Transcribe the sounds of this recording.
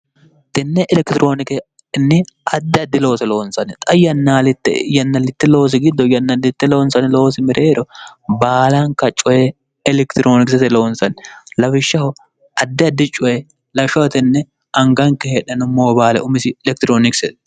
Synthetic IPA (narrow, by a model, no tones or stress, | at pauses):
t̪ɪnːɛʔɛlɛkt̪ɪɾʔo̞ːnɪkɛ | nːɛʔɐd̪ːɪɐd̪ːɪlo̞ːsɛlo̞ːnsɐnɛt̪ʼɐjɐnːaːlɪt̪ːɛ̰jɐnːɐlːɪt̪ːɛlo̞ːs̬ɪɡɪd̪ːɔjɐnːɐlːɪt̪ːɛlo̞ːnsɐnɪlo̞ːsɪmɪɾʔeːɾɔbaːlɐŋkɐt͡ʃʼɔjɛ | ɛlɛkt̪ɪɾʔoːnɪksɛt̪ɛlo̞ːnsɐnɪlɐbɪʃːɐhɔ | ɐd̪ːɪɐd̪ːɪt͡ʃʼʊɛ | lɐʃɐwt̪ɪnːɛ | ɐŋɡɐŋkɛheːᶑɐnʊmoːbaːlɛ̰ʔʊmɪsɪɛlɛk̚t̪ɪɾoːnɪksɛt̪